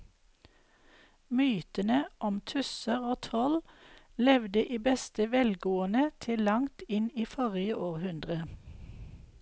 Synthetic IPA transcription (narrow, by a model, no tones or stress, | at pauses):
myːt̪ənəʔɔmt̪ʰʉsəʁoːt̪ʰɔl | lɛʋd̪əʔiːbɛst̪əʋɛlɡoːənət̪ʰɪlɑŋt̪ɪniːfɔʁɪəʔoːʁhʉnd̪ʁə